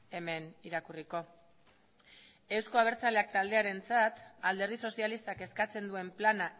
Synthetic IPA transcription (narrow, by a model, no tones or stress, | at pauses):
e̞me̞niɾakuriko̞ | e̞wsko̞aβ̞e̞ɾt͡sale̞ak̚t̪ald̪e̞aɾe̞nt͡sat̪ald̪e̞ɾðiso̞sialist̪ake̞skat͡se̞nd̪ue̞mplana